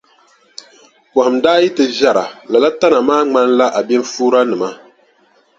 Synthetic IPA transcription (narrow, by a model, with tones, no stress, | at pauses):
pɔ˨hɨ˨m̩daː˦ji˦tɨ˨ʒa˨ɾa˨la˨la˦ta˦na˨maː˦ŋ͡ma˦nla˦ʔa˨bɛ˦n˦fuː˦ɾa˦nɨ˨ma˦